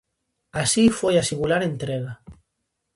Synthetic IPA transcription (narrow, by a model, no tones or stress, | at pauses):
asifojasimulaɾent̪ɾeɣa